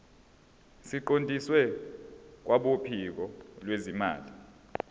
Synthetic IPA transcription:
siǃondʱiswɛ | k̬wʔaɓopʰik̬ɔlwezima̰ːli

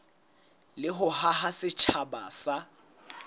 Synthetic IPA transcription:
lɪɦʊhaɦasɪt͡ʃʰabaːsa

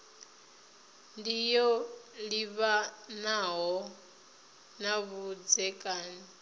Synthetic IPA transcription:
ndijɔliβanaɦɔ | naβud͡zɛkʼaːni

